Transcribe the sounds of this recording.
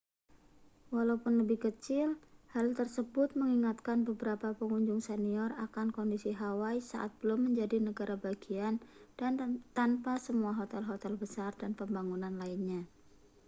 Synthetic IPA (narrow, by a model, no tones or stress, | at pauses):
walapʊnləbɪhkət͡ʃɪlhalt̪ərsəbʊt̪̚məŋiŋat̪kanbəbəɾapapəŋuɲd͡ʒʊŋsɛniɔrakankɔndisiɦawaisa̰ʔa̰t̪̚b̥əlʊmːəɲd͡ʒadinəɡaɾʔabaɡiand̥ant̪anpasəmuaɦot̪ɛlɦot̪ɛlbəsardanpəmbaŋunanlaɪnɲa